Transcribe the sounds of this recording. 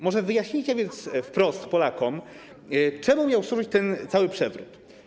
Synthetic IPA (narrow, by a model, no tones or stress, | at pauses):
mɔʐɛvɘjaɕɲit͡ɕavʲjɛnt̪sfpɾɔst̪pɔlakɔm | t͡ʂɛmʊmʲjawswuʐɘt͡ɕt̪ɛnt̪sawɘpʂɛvɾṵt̪